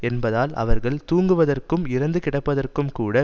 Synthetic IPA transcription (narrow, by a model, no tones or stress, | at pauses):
ɛnbɐðaːlɐ̰ʋɐɾɣɐɭt̪uːŋɡɯʋɐðɐrkɯmɪɾɐnd̪ɯkɪɽɐpːɐðɐrkɯmkuːɽɐ